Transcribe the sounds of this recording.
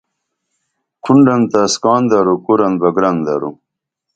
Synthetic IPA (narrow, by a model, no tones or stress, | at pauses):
kʰuɳɖɐnt̪askɑːnd̪ɐɾukuɾɐnbɐɡɾɐnd̪ɐɾṵ